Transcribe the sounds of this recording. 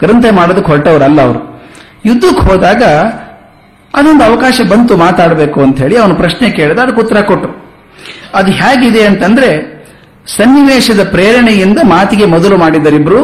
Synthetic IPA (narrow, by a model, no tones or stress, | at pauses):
ɡɾɐnt̪ʰɐmaːɽod̪ɐkːɦɔʈɐʋɐɾɐlːɐɐʋɐɾu | jud̪ːukɦoːd̪aːɡɐ | ɐd̪ond̪uɐʋɐkaːʃɐbɐnt̪umaːt̪aːɽɐbe̞ːkuɐnt̪ɦe̞ːɭiɐʋɐnupɾɐʃneke̞ːɭid̪aːd̪ɐkut̪ːɐɾɐkoʈːu | ɐd̪uɦaːɡid̪e̞ɐnt̪ɐnd̪ɐɾe̞ | sɐnːiʋeːʃɐd̪ɐpɾeːɾɐɳejind̪ɐmaːt̪iɡe̞mɔd̪ɐlumaːɽid̪ːɐɾibːɐɾu